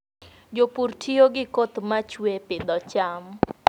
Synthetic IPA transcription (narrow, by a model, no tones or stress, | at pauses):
d͡ʒopurtʰioɡɪkot̪mat͡ʃwepɪd̪ɔt͡ʃam